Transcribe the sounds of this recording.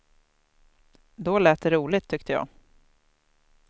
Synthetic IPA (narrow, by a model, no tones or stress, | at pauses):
d̪ɔlɛːt̪̚ːɛɾuːlɪt̪ʰːʏkt̪əjɑ̰ː